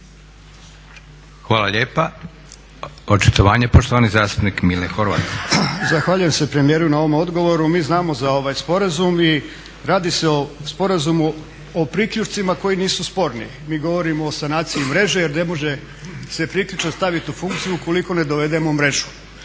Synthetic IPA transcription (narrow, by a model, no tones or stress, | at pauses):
xʋaːlˠaʎeːpa | ot͡ʃi̥t̪oʋaːɲepoʃt̪oanizaːst̪upnikmilexoɾʋa̰ːt̪zaxʋaːʎuje̞mse̞pɾe̞mije̞ːɾunao̞ʋomo̞d̪ɡo̞ʋo̞ɾumiːznaːmo̞zao̞ʋajspo̞ɾazumi | ɾaːd̪ise̞ospo̞ɾazumu | opɾikʎut͡ʃt̪simako̞jiniːsuspo̞ɾnḭ | miːɡo̞ʋo̞ɾimo̞ːsanaːt̪siimɾe̞ʒe̞je̞ɾne̞mo̞ʒe̞ | se̞pɾikʎut͡ʃat̪st̪aʋit̪ufuŋk̚t̪sijuko̞liko̞ne̞d̪o̞ʋe̞d̪e̞momɾe̞ʒu̥